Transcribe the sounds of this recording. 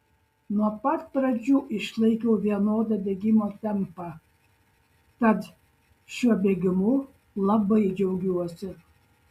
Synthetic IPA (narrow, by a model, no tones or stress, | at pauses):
nuɔpɐt̪̚pɾɐd͡ʒʲuːʔɪʃlˠɐɪkʲɛʊʋʲiɛnoːd̪ɐd̪ʲeːɡʲɪmoːt̪ʲɛmpɑ | t̪ɐt̪ | ʃʲuɔbʲeːɡʲɪmʊ | lˠɐbɐɪd͡ʒʲɛʊɡʲuɔsʲɪ